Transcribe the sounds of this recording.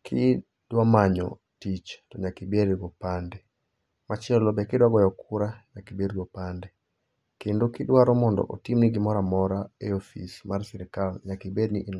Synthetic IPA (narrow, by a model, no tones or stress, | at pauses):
kʰi | d̥wamaɲɔ̰ | tit͡ʃtɔɲakibeɾɡɔpandɛ | mat͡ʃɛlɔbɛkɪdwaɡɔjɔkʰuɾaɲakibeɾɡɔpandɛ | kendokidwaɾɔmɔndɔ̰ʔo̰timniɡɪmɔɾamɔɾaeofḭsmarsɛɾkalɲakibedniʔi